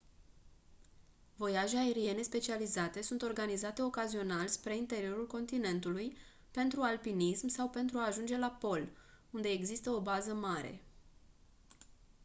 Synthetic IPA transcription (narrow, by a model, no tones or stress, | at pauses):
vo̞jaʒeae̞ɾije̞ne̞spe̞t͡ʃializat̪e̞sunt̪o̞rɡanizat̪e̞o̞kazio̞nalʲspɾe̞int̪e̞ɾio̞ɾulko̞nt̪ine̞nt̪uluj | pe̞nt̪ɾualpinismsawpe̞nt̪ɾuaːʒund͡ʒe̞lapo̞lund̪e̞ːɡzist̪əo̞bazəmaɾe̞̰